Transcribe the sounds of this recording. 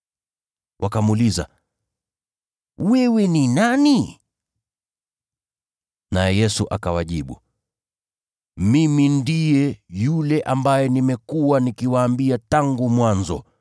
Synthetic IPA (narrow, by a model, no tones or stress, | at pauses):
wʔakamuːliza̰ | wɛwɛninani | najɛjɛsuʔakawaʄiɓṵ | mimindijɛjulɛʔambajɛnimɛkuwanikiwaːmbiataŋɡumwanzɔ̰